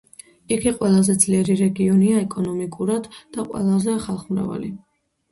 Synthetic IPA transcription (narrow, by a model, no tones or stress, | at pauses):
iɡiqʼwɛlˠazɛd̪z̥liɛɾiɾɛɡiɔniaɛkʼɔnɔmikʼuɾad̪ːaqʼwɛ̰lˠazɛaχalˠχmɾa̰va̰li